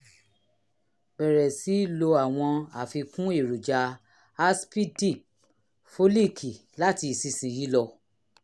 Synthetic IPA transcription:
bɛ˨ɾɛ˨si˨˦lo˧a˨w̃ɔ̃˧a˨fi˧kũ˦e˦˨ɾu˨d͡ʒa˧ | a˦spi˦di˦˨p̚ | fo˦li˦˨kʰi˨ | la˦ti˧˨si˧sĩ˨ji˦lɔ˧

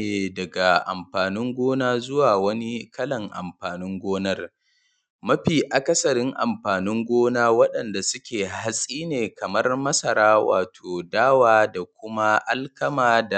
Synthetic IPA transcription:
e˨dɐ˨ɡa˨ʔa̰˨mɸaː˨nɪ˦ŋɡʷoː˦naː˦zʊ˦waː˨wɐ˦ni˦kɐ˦lɐ˨ŋʔa̰˨mɸaː˨nɪ˦ŋɡʷoː˦nɐ˦r | mɐ˦ɸiː˨ʔa˨kɐ˦sɐ˨ɾɪ˦ŋʔa̰˨mɸaː˨nɪ˦ŋɡʷoː˦naː˦wɐ˦ɗɐ˨nda˨sʊ˦kʲeː˨ha˦sʼiː˦neː˨kɐ˨mɐ˦rmɐ˦sɐ˨ɾaː˦wa̰ː˨tʰoː˨daː˦waː˨da˨kʷʊ˦ma˦ʔa˦lkɐ˦maː˨da˨

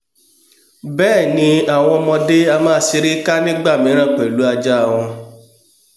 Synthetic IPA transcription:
bɛː˦˨nĩ˧a˨w̃ɔ̃˧mɔ̃˧de˦a˧mãː˦si˧˦ɾi˦ka˦nĩ˦ɡ͡ba˦˨mĩ˨˦ɾ̃ã˦˨k͡pɛ˨lu˨˦a˧d͡ʒa˦˨w̃ɔ̃˧

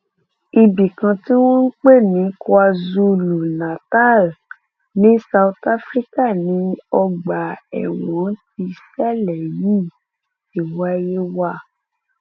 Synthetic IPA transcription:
i˧bi˨kã˧ti˦w̃ɔ̃˦n̩˦k͡pe˦˨nĩ˨˦kɔ˧a˧zu˧lu˨nã˨ta˦˨l | nĩ˨˦sa˧u˧ta˦fɾi˦ka˦˨nĩ˨˦ɔ˧ɡ͡ba˨ɛ̰˨w̃ɔ̃˨˦n˦ti˧sɛ˦lɛ˨ji˦ | i˨wa˧˦je˦wa˦

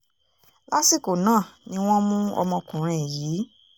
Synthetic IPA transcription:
la˦si˦˨ko˨nãː˦˨nĩ˦w̃ɔ̃˦mũ˦ɔ̰˧mɔ̃˧kũ˨ɾ̃ɛ̃˨jiː˨˦

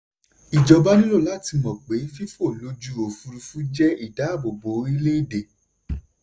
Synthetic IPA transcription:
i˨d͡ʒɔ˨ba˦nĩ˦lo˦˨la˦ti˧mɔ̃˨k͡pe˨˦fi˦fo˦˨lo˦d͡ʒu˦o˨fu˧ɾu˧fu˦d͡ʒɛ˦i˦˨da˨˦˨bo˨bo˨˧˦ɾi˦le˦i˦˨de˧˨

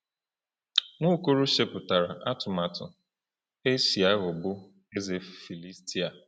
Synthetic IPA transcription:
ŋʊ˦ko˦ɾu˦ʃe˦pʊ˨ta˨ɾa˨ʔa˦tʊ˨ma˨tʊ̰˨ | e˦si˨a˦ɣʊ˨bʊ˦ | e˦ze˨fi˨li˦sti˦a˨

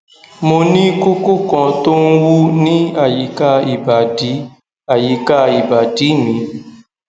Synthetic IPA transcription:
mo˧nĩ˦ko˦ko˦kɔ̃˨to˦n̩˦wu˦nĩ˦a˨ji˨ka˦i˨ba˨di˨˦ | a˨ji˨ka˦i˨ba˨di˨˦mĩ˨˦

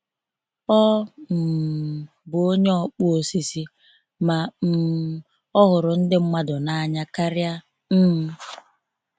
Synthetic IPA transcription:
ɔ˦m̩˨ | bʊ˨o˦ɲe˦ɔ˦k͡pu˦o˨si˨si˦ | ma˨m̩˨ | ɔ˦ɣʊ˨ɾʊ˨n̩˦dɪ˦ŋ͡m̩˦ma˦dʊ˨na˦a˨ɲa˦ka˦ɾɪ˦a˦ | m̩˦

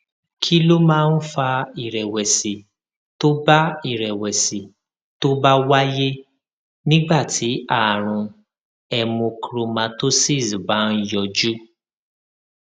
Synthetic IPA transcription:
kʰi˦lo˦mãː˦˧n̩˦fa˧i˨ɾɛ˨wɛ˨si˨ | to˦ba˦i˦˨ɾɛ˨wɛ˨si˨ | to˦ba˦wa˦je˦ | nĩ˦ɡ͡ba˦˨tʰi˨˦a˦˨ɾ̃ũ˨ | ɛ˧mõ˧kɾo˧mã˧to˦si˦˨sba˨˦n̩˦jɔ˧d͡ʒu˦

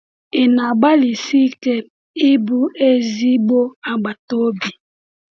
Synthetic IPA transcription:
e˨na˨ɡ͡ba˦li˨si˦kɛ˦ | i˦bu˦e˦zi˦bo˦a˨ɡ͡ba˨to˦bi˨

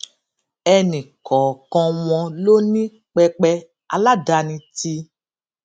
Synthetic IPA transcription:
ɛ˧nĩ˨kɔ˨kɔ̃˧w̃ɔ̃˧lo˦nĩ˦ | k͡pɛ˧k͡pɛ˧ | a˧la˦da˧nĩ˧ti˧

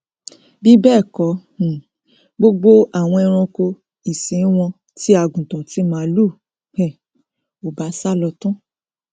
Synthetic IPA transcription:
bi˦bɛː˦˨kɔ̃˨˦˨ | ɡ͡bo˧ɡ͡bo˦a˨w̃ɔ̃˧ɛ˧ɾ̃ɔ̃˧ko˧ | i˨sĩ˨˦w̃ɔ̃˧ | ti˦a˨ɡũ˨tã˨ti˨˦mãː˦lu˦˨ | hɛ˦˨ | o˨ba˨˦sa˦lɔ˧tũ˦

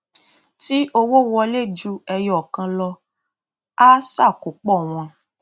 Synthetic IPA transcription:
ti˦ʔo˧wo˦˨wɔ˧le˦˨d͡ʒu˧ɛ˧jɔ˨kã˧lɔ˧ | a˦sa˦˨ko˨k͡pɔ˦˨w̃ɔ̃˧

